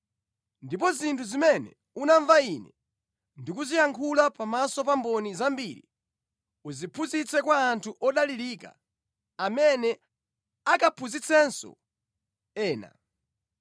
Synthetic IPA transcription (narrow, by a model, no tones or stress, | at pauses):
ndip̬ɔzintʰuzimɛnɛ̰ | unaɱvainɛ̰ | ndik̬uzijaŋkʰulapamasɔpambɔnizambiɾḭ | uzipʰuzit͡sʰɛkwaːntʰuʔɔɗaliɾika̰ | amɛnɛ | akapʰuzit͡sʰɛnsɔ̰ | ɛːna̰